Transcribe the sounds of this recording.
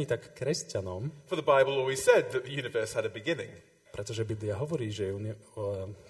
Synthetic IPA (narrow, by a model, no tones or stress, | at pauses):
it̪akːɾɛscanɔmfə˞ðəbaɪbəl̩ˠɔlˠwiz̥sɛd̪̚ðɨt̪̚ðɨjʉnɨvɜ˞shəɾɨbɨɡɪnɪ̰̃ŋ | pɾɛt̪ɔʒɛbibliaɦɔʋɔɾiːʒɛun